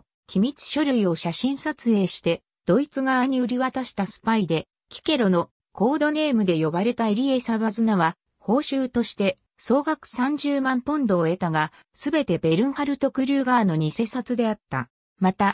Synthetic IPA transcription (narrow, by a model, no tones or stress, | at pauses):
kʲimʲit͡sɨ̥ɕo̞ɾʲɯio̞ɕaɕĩɰ̃sat͡sɨe̞ːɕi̥t̪e̞ | d̪̥o̞it͡sɨɡaaɲ̟iɯɾʲiβat̪aɕi̥t̪asɨ̥paid̪e̞ | kʲi̥ke̞ɾo̞no̞ | ko̞ːd̪o̞ne̞ːmɯ̟d̪e̞jo̞baɾe̞t̪aeɾʲie̞saβazɨnaβa | ho̞ːɕɨːt̪o̞ɕi̥t̪e̞ | so̞ːɡakɯ̟̥sãɲ̟d͡ʑɨːmãmpõ̞nd̪o̞ːe̞t̪aɡa | sɨbe̞t̪e̞be̞ɾɯ̟̃ɰ̃haɾɯ̟t̪o̞kɯ̟ɾʲɨːɡaːno̞ɲ̟ise̞ːsat͡sɨd̪e̞at̪ːa̰ | mat̪a